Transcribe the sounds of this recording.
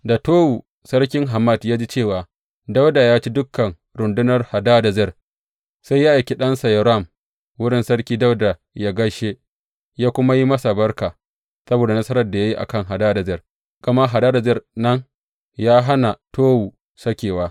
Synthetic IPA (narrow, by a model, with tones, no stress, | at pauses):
da˨toː˦wu˨ | sɐ˦ɽkʲɪ˦ŋɦa˨mɐ˦˨djaː˦d͡ʒi˦t͡ʃeː˦˨waː˨ | da˦wda˨jaː˦t͡ʃi˦dʊ˦kʰːɐ˨ŋ | ɾʊ˨ndʊ˦nɐ˦rha˨daː˦da˨zɛ˦˨r | sa˦jːa˦ʔa˨jkʲi˦ɗɐ˦nsa˨jɐ˨ɾa˦˨m | wʊ˦ɽɪ˦nsɐ˦ɽkʲiː˦da˦wda˨ | jaː˦ɡɐ˦ʃe˦ | jaː˦kʷʊ˦ma˦ji˦mɐ˦sa˨bɐ˦rkaː˨ | sɐ˦boː˨da˨nɐ˦sɐ˦ɾɐ˨rda˨ja˦ji˦ʔa̰˨kɐ˦˨ŋɦa˨daː˦da˨zɛ˦˨r | ɡ̥ɐ˨ma˦ɦa˨daː˦da˨zɛ˦˨rnɐ˦ŋ | jaː˦ɦa˦na˨toː˦wu˨ | sɐ˦kʲeː˨waː˦